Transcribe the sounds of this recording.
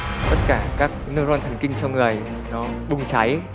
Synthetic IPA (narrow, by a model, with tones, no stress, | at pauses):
t̪ə˦˥t̚kaː˧˩kaː˦˥k̚nɨ˦˧ək̚zɔ˧nt̪ʰa˨˩jŋ̟kï˧ŋ̟t͡ɕɔ˧wŋɨ˨˩əj | nɔ˨˦ɓʊ˨˧˩ŋ͡mt͡ɕa˨˦j